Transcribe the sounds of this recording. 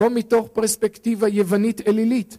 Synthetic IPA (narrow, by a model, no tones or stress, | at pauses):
omito̞χpeʁspektivajevanitelilit̪